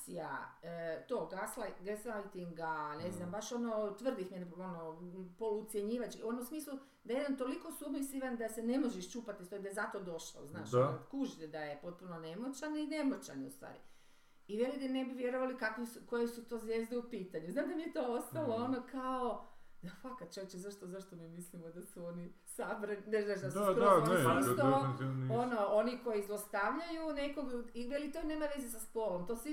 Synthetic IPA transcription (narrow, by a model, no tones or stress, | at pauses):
sija̰ | t̪o̞ːɡaslaɡesajt̪iŋɡane̞znambaʃo̞not̪ʋər̩d̪ixmio̞nopoluut̪sjeɲiːʋat͡ʃkionusmiːslu | d̪ajed̪ant̪o̞liko̞submisiʋand̪ase̞ne̞mo̞ʒeʃt͡ʃuːpat̪ist̪oid̪ajezat̪o̞d̪o̞ʃlo̰znaːʃkuʒd̪ed̪aje̞po̞t̪̚punone̞mot͡ʃanine̞mot͡ɕa̰nṵst̪ʋa̰ːɾi | iʋelid̪anebiʋjeɾoʋalikakʋesuko̞jesut̪o̞ːzʋjeːzd̪eupiːt̪aɲuznaːmd̪amijet̪o̞o̞st̪alˠoonokaod̪afakat̪̚t͡ʃoʋet͡ɕezaʃt̪ozaʃt̪omimislimod̪asuoni | sabɾenneznaːʃd̪aspɾoat̪oonnooniko̞jiːzlˠost̪aʋʎajunekoɡiʋelit̪oneːmaʋe̞zes̬aspolomt̪o̞si